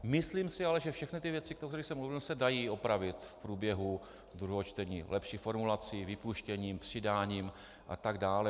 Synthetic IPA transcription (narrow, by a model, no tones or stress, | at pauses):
mɪsliːmsɪalɛʒɛfʃɛxnɪt̪ɪvjɛt͡sɪkt̪okt̪ɛɾixsɛmluvɪlsɛdajiːʔopɾavɪt̪fpɾuːbjɛɦu | d̪ɾuɦot͡ʃt̪ɛɲiːlɛpʃiːxfo̞ɾmulat͡sivɪpuʃcɛɲiːmpr̝̥ɪdaːɲiːm | ʔa̰t̪aɡdaːlɛ